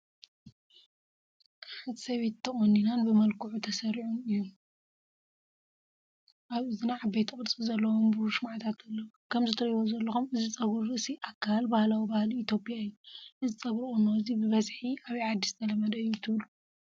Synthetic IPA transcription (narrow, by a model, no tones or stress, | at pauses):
ħɨt̪sɐβet̪ʰːɐχʼonːinanbɨmɐlkʰuʕut̪ʰɐsɐɾiʕunɨjːu | ʔaβɨzinaʕabɐjt̪ʰɨkʼɨɾt͡sʼɨlzɐlːɐwombɨuʃmaʕt̪ʰat̪ɐlːɐwukʰɐmzɨt̪ʰɐɾjjozɐlːɐxumɨzit͡sʼɐβuɾɨɨsiʔakʰːalbahlawibahliːt̪ʰjo̞pʼjaɨjːuʔɨzit͡sʼɐβɾɨχʼunːoɨzibɨβɐzħiʔaβiʕad̪ːist̪ʰɐlɐmɐd̪ɐɨjut̪ʰɨβlu